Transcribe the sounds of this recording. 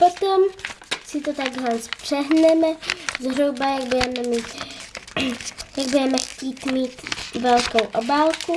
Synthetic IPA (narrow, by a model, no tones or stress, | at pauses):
pot̪omsɪt̪ot̪aɡzlanspr̝̥ɛɦnɛmɛzɦɾubajaɡ̚budɛmɛmiːt̪ | jaɡ̚budɛmɛxciːt̪miːt̪vɛlkowʔobaːlku